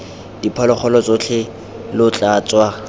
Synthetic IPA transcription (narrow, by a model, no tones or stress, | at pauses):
d̥ipʰɔlɔχɔlɔt͡sʼʊt͡ɬʰɪ | lʊt͡ɬʼaːt͡sʼwa